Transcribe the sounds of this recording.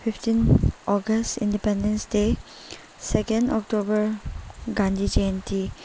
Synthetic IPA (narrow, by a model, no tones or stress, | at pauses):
fʰiptĩnɔɡəstḭ̃ndipẽndẽnsde | sɛkẽndɔk̚tobəɾɡãndid͡ʒeẽnti